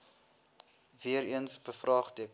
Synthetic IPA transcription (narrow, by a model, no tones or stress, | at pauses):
viəɾiənsbəfrɑːχdik